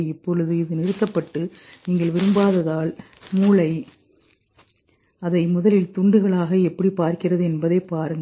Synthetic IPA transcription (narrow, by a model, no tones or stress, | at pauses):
ɪpːɔɻɯðɯɪðɯnɪɾɯt̪ːɐpːɐʈːɯniːŋɡɐɭʋɪɾɯmbaːðɐðaːl | muːlɐɪ | ɐðɐɪmʊðɐlɪlt̪ʊɳɖɯɣɐɭaːɣɐɛpːɐɽipaːɾkɪrɐðɯɛnbɐðeːpaːɾɯŋɡɐ